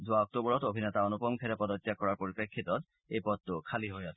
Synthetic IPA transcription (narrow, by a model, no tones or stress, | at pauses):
d͡zuaɔk̚t̪obɾɔt̪obʱinet̪aonupɔmkʰeɾepɔd̪otːakɔɾaɾpoɾipɾekʰːit̪ɔt̪ | ejpɔt̪ːokʰaliɦoeɔt̪ʰ